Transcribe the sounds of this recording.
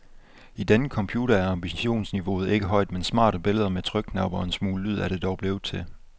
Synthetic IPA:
id̥enəkʰɒ̽mpʰjuːɾ̥ɐæɐɑ̈mb̥iɕo̝̰ːnsniʋo̝ːð̩ˠe̝ɡ̥əɦɒ̽ɪd̥mensmɑ̰̈ːɾ̥əb̥e̝ləð̞ˠɐmet͡sʰʁœɡ̥̚nɑ̈b̥ɐensmuːləlyð̞̰ˠæɐɾ̥e̝d̥ɒʊb̥le̝ːʊð̩ˠt͡sʰe̝l

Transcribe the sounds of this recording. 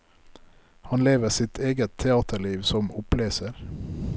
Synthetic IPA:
hɑnleːʋəsɪt̪ʰeːɡət̪ʰːɛɑːt̪ʰəɭiːʋsɔmʊpleːsəɾ

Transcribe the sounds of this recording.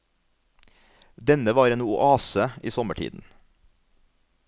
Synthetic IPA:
d̪ɛnəʋɑːɾeːnʊʔɑːsəiːsɔməʈʰḭːd̪n̩

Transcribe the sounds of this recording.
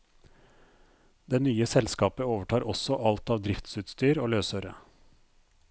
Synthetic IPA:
d̪ɛnyːəsɛlskɑːpəoːʋəʈʰɑːɾɔsɔʔɑlt̪ɑːʋd̪ɾɪft̪sʉːt̪st̪yːɾoːløːsœɾə̰

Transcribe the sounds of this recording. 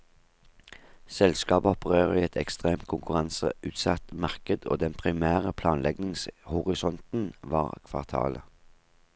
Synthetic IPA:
sɛlskɑːbəɔpəʁeːʁəiːɛt̪ʰɛkst̪ʁeːmt̪̚kʰʊŋkʉʁɑnsə̰ʉːt̪sɑt̪mɑʁkəd̪o̰ːd̪ɛnpʰʁɪmæːʁəpʰlɑːnlʔɛɡnɪŋshʊʁɪsɔnt̪n̩ʋɑːʁkʰʋɑ̰ʁt̪ʰɑ̰ːlə

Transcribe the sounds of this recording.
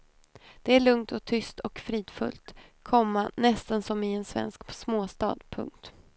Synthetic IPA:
d̪̥ɛæɭɵŋt̪ɔk̚t̪ʰʏst̪ʰɔkfɾiːd̪̥fɵ̰lt̪kʰɔmːanɛst̪ənsɔmɪɛnsvɛ̰nsksmoːst̪ɑ̰ːd̪pʰɵ̰ŋk̚t̪

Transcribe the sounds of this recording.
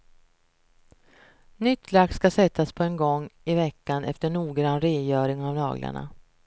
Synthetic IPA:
nʏt̪ʰːlak̪̚skasɛt̪ʰːaspʰɔɛnɡɔŋːɪvɛkːanʔɛft̪əɳuːɡɾanɾeːjœːɾɪŋavnɑ̰ːɡlʔa̰ɳa̰

